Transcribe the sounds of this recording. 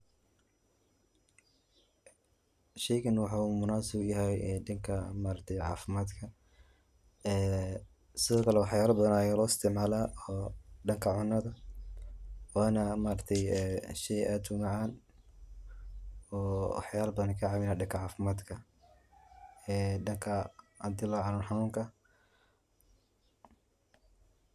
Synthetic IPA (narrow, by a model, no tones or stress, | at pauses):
ʃɛjɣɐnwɑħɑːumʊnaːsɪbʊjɐɦɛjɖɐŋkʰɐmaːɾɐkt̪ʰɛjʕɑ̰ːfɪmaːd̪kʰɐ | ɛː | sɪðɔːkʰɐlɛwɑħjaːlɐbɐðɐnajɐlɔːɪst̪ʰɪʕmaːlaːɔːɖɐŋkʰɐʕʊnːɐðɐ | waːnɐmaːɾɐt̪ʰɛjɛʃɛjʔaːd̪ʊmɑʕaːn | ɔːwɑ̰ħjaːlɐbɐðɐnkʰɐʕɑmɪnaːɖɐŋkʰɐʕaːfɪmaːd̪kʰɐ | ɛːɖɐŋkʰɐ | a̰d̪ɪlaʕɑnuːnħɑnuːŋkʰɐ